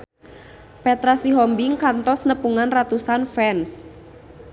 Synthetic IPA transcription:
pɛt̪ɾasiɦɔmbɪŋkant̪ɔsnəpuŋanrat̪usanfɛns

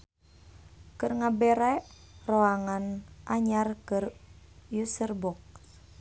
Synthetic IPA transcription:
kɨrŋabɛɾɛʔroaŋanʔaɲarkərjusərbɔk̚

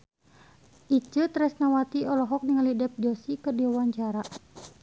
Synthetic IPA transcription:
ʔit͡ʃɨt̪ɾɛsnawat̪iɔlɔɦɔk̚niŋalidɛp̚d͡ʒɔsikərdiawaɲt͡ʃaɾa

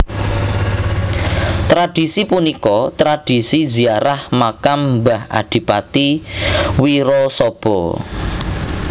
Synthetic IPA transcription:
t̪ɾad̥isipunikɔt̪ɾad̥i̤siziaɾahmakambaha̰ɖ̥i̤pat̪i | wiɾɔsɔb̥ɔ

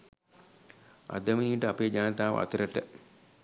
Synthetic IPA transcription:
a̰d̪əminiːʈəapeːd͡ʒaːnət̪aːʋə̰a̰t̪uɾəʈə

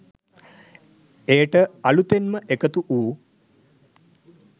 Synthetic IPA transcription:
eːʈəɐlut̪enməʔekət̪uʔuː

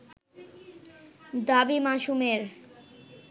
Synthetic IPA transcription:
d̪abimaʃumeɾ

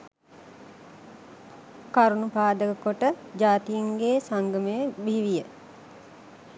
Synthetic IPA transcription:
kaɾunupaːd̪əkəkoʈəd͡ʒaːt̪ijiŋɡeːsaŋɡəməjəbiʋijə

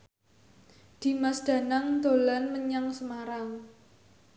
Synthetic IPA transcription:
d̪̥i̤masd̥ä̤naŋd̪o̤lanməɲaŋsəmaɾaŋ

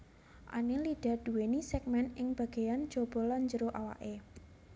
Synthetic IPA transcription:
ʔa̰neliɖ̥a̤d̥uwenisɛk̚mɛnʔɪŋb̥a̤ɡ̥a̤jan̥d͡ʒ̥ob̥ɔ̤laɲd͡ʒəɾoʔawa̰ʔe

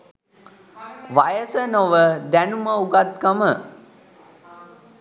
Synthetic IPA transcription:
ʋajəsənoʋəd̪ænuməuɡat̪̚kəmə

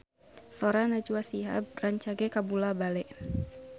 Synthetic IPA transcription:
soɾanad͡ʒuasiɦa̰braɲt͡ʃaɡɛkabulabalɛʔ

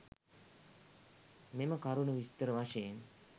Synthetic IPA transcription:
meməkaɾunəʋist̪əɾəʋaʂejen

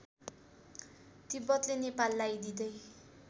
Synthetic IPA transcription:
t̪ibʌt̪lenepalːajd̪id̪ʌj

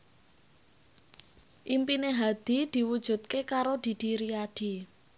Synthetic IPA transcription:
ʔimpineɦad̪̥i̤d̪̥i̤wud̥ʒ̥ṳt̪̚kekaɾod̪̥i̤d̪̥i̤ɾiad̪̥i̤

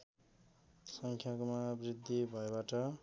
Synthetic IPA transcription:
sʌŋkʰjakmabrid̪ʱːibʱʌebaʈʌ

